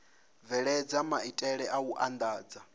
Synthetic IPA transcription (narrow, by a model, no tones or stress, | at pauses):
vɛɺɛd͡zamaitʼɛɺɛʔauʔand̪aːd͡za